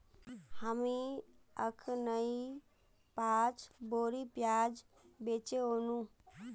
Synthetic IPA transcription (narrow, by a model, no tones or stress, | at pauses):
həmi | əkʰnəi | paːt͡ʃboːɾipjaːd͡ʒ | beːt͡ʃeɦoːnũ